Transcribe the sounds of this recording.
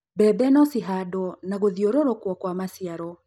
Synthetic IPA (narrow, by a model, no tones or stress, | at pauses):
bɛbɛnɔsiɦadɔnaɣoðioɾoɾokwɔkwamasiaɾɔ